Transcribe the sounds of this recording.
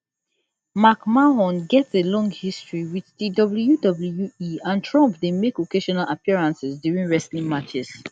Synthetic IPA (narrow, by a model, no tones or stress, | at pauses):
makmaɦɔ̃nɡɛtselɔ̃ŋɡhistɹiwit͡ʃdidɔbljudɔbl̩juiãntʰɹɔ̃mpdemekokeʃɔnalapiɹãnsɛsdjuɹĩnɹɛslĩmat͡ʃɛs